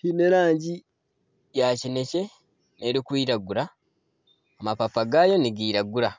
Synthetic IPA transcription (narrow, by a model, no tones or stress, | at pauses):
pineɾaːɲɟi | jaːcine̞ce̞ | neɾikwiːɾaɡuɾaː | mapafaɡaːjo̞niɡiːɾaɡuɾa